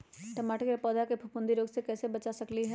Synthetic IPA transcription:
ʈɐmaːʈəkjepɔːd̪akepʰʊpʊ̃nd̪iɾoːɡsekɛːsebɐt͡ʃasɐkliɦɛ

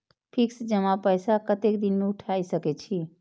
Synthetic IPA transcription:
pʰiksd͡ʒəmapəjsakət̪ekd̪inmeuʈʰajsəkɛt͡ʃʰi

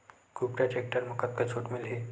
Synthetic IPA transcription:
kupɾad͡ʑek̚ʈəɾməkət̪̚ket͡ɕʰuʈmilɦe

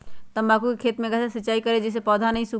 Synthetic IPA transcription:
t̪ɐmbaːkukekʰeːt̪mẽɡɛsesətːʃaːikɐɾed͡ʒɛːs̬epɔːd̪ʱanɐɦĩsuː

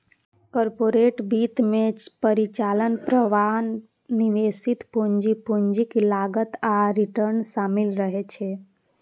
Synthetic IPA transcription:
kɔɾpoɾeʈbit̪mepəɾit͡ʃalənpɾəʋanː | iʋesit̪puɲd͡ʒipuɲd͡ʒiklaɡət̪aɾiʈəɾnsamilɾəɦet͡ʃʰe

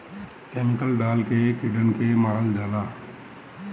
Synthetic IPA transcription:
kemɪkəlɖaːlkekiɖənkemaːɾəld͡ʒaːlaː

